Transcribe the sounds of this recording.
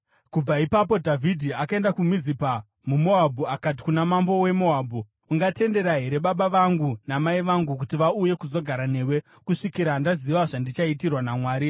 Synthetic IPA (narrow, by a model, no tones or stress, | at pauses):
kub͡vaipapo̞dʱavʱidʱiakae̞ndakumizipa | mumo̞abʱuakat̬i̥kunamambo̞we̞mo̞abʱuː | ŋɡate̞nde̞ɾaɦe̞ɾe̞ɓaɓaʋaŋɡunamaiʋaŋɡukutiʋauje̞kuzo̞ɡʱaɾane̞ːwe̞ | kuʂikiɾandaziʋaʐandit͡ʃaitirwanamwaːɾi